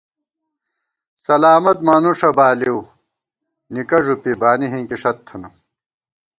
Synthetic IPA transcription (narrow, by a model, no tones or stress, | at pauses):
sɐlaːmɐt̪manuʂɐbaːliw | nikɐʐupibaːniɦiŋkiʂɐt̪ʰːɐnu